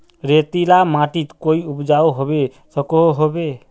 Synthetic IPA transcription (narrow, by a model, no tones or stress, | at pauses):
ɾet̪ilamaʈit̪koiupd͡ʒawɦɔbe | sɔkɔoɦobe